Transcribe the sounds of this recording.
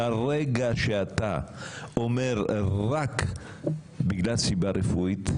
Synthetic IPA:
areɡaʃeat̪aomeɾrak | biɡlasibarefujt̪

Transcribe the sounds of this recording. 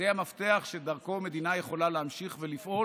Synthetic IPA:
eamaft̪e̞aχʃed̪aʁko̞me̞d̪inajeχo̞laleɦamʃiχvelifʔo̞

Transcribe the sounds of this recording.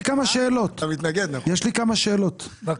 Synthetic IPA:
kamaʃeːlo̞t̪amit̪naɡed̪najɛʃlikamaʃe̞ːlo̞t̪v

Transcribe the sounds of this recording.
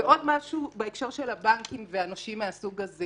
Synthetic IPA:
eʔo̞dmaʃubeekʃo̞ʁʃelabaŋkimveanoʃimːeasuɡaze

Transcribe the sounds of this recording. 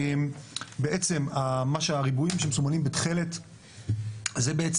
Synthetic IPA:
mbeʔet͡se̞mamaʃeaʁibuimʃemesumanimbetχele̞t | zebeet͡s

